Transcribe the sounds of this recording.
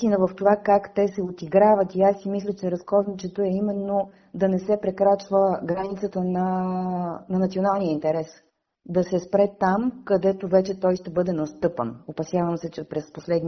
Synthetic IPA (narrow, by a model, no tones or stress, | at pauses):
t̪inəvɐft̪ovakakt̪ɛsɛot̪iɡɾavɐt̪iasːimislʲət͡ʃɛɾɐskɔznit͡ʃɛt̪oɛimɛnːo | d̪ɐnɛsɛpɾɛkɾat͡ʃvəɡɾanit̪sət̪ənɐ | nɐnɐt̪sionalˠnijəint̪ɛɾɛs | d̪ɐsɛspɾɛt̪amkɐd̪ɛt̪ovɛt͡ʃɛt̪ɔjʃt̪ɛbɤd̪ɛnɐst̪ɤpə̰nopɐsʲjavəmsɛt͡ʃɛpɾɛsposlɛd̪n